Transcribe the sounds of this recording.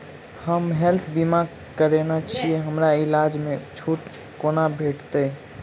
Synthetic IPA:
həmɦelt̪ʰbima | kəɾenat͡ʃʰijɛɦəmɾailad͡ʒmet͡ʃʰuʈ | konabʱeʈt̪ə

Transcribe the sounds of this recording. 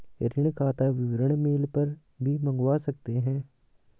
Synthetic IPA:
ɾɪɽkʰaːt̪aʋɪʋɾəɽ̃meːlpɐɾ | bʱimɐ̃ŋɡwasɐk̚t̪eɦɛ̃ː

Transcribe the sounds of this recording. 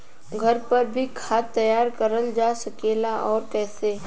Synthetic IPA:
ɡʱɐɾpɐɾbʱikʰaːt̪ːɐjaːɾkəɾəld͡ʒasɐkeːlaʔɔːɾkɛːseː

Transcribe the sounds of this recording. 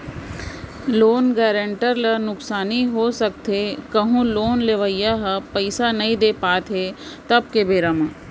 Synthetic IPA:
loːnɡɛːɾə̃ɳʈəɾlənʊksaːniɦosɐk̚t̪ʰekɐɦũloːnleʋəjaɦəpəɪsanɐĩd̪eːpaːt̪ɦeːt̪ɐb̚kebeːɾamã

